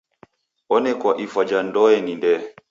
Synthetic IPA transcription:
ɔnɛkwaʔifad͡ʒandɔɛnindɛ

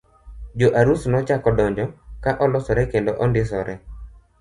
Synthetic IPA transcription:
d͡ʒoʔaɾusnɔt͡ʃakɔdɔɲd͡ʒɔkaʔɔlɔsɔɾɛkendoʔɔndɪs̬ɔɾɛ

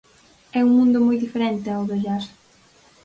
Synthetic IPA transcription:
ɛuŋmũnd̪ʊmojðifeɾɛnt̪eawðoʎaɾ

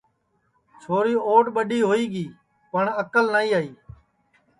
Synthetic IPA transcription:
t͡ʃʰoːɾiːoːʈɓəɗiːɦoːiːɡiː | pəɳəkəlnaːiːaːiː

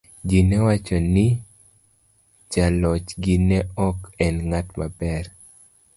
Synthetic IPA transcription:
d͡ʒinɛwat͡ʃɔnɪ | t͡ʃalɔt͡ʃɡinɛɔkɛnŋatmabɛr

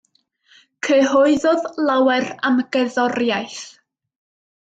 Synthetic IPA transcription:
kʰəɦɔɨðɔðlˠawɛramɡ̥ɛðɔrjajθ

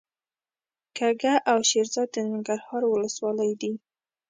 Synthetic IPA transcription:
kaɡaʔawʃeɾzɑd̪̚ːənɪŋɡaɾhɑɾwʊləswɑləjd̪i

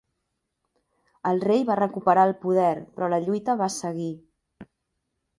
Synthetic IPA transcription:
əlˠrejβarəkupəɾaəlˠpuðɛɾpɾɔləʎujt̪əβasəɣi

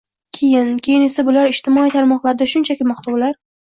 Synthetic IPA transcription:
kʲʰe̞jɪnkʲʰe̞jɪne̞sabʊlaɾɪʃt̪ʰɪmɒit̪ʰaɾmɒqlˠaɾɪd̪aʃʊnt͡ʃʰakʲɪmɒχt̪ʰaʊlaɾ

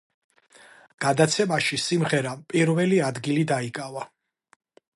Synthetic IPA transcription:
ɡ̥ad̪at̪sʰɛmaʃisimʁɛɾapʼiɾvɛliad̪ɡilid̪aikʼava

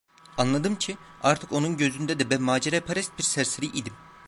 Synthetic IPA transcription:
anlˠad̪ɯmcʰiaɾt̪ʰɯ̥ko̞nunɟø̞zynd̪ɛd̪ɛbɛmaːd͡ʒeɾɛpʰaɾɛst̪̚biɾsæɾseɾiʔid̪im

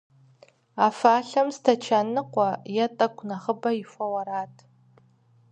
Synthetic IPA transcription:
afaːɬamztʰat͡ʃʰanɨqʷʼajatʼakʷʰʼnaχəbaifʷawaɾatʼ

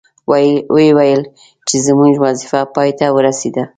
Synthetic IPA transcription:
wewajəl | t͡ʃezəmuʒwazifapɑjt̪awəɾased̪a

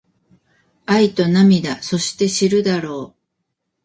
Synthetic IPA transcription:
ait̪o̞namʲid̪aso̞ɕi̥t̪e̞ɕiɾɯ̟d̪aɾo̞ː

